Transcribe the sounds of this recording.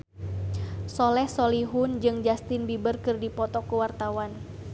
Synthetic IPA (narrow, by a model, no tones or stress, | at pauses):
sɔlɛhsɔliɦund͡ʒɨŋd͡ʒast̪ɪnbibərkɨrdipɔt̪ɔkuwart̪awan